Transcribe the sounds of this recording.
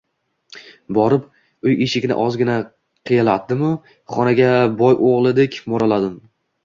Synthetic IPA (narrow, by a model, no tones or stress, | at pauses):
bɒɾɪp | ʊjeʃɪɡʲnɪ̰ʔɒzɡʲɪna | qʰɨjalat̪̚d̪ɪmʊ | χɒnaɡʲabɒjʔoʁlˠɪd̪ekʲmɒɾalad̪ɪm